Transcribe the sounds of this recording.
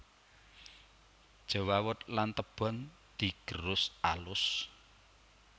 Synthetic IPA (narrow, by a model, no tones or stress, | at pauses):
d̥ʒ̥ə̤wawʊt̪̚lant̪əb̥ɔ̤n | d̪̥i̤ɡ̥əɾʊsalʊs